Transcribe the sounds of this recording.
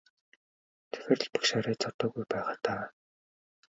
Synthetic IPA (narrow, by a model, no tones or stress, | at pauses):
t̪ʰɵ̥xʲĕr̆ɮpḁkʃaɾiːt͡sɔt̪ɔːɣujpæːʁaːt̪aː